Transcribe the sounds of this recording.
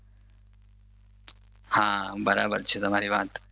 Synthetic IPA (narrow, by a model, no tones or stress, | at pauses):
hãːbɐɾaːbɐɾt͡ʃʰit̪ɐmaːɾiʋaːt̪